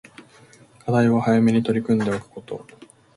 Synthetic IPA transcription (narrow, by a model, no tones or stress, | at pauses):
kʰad̪aiβahajame̞ɲ̟it̪o̞ɾʲikɯ̟̃nd̪e̞okɯ̥ko̞t̪o̞̰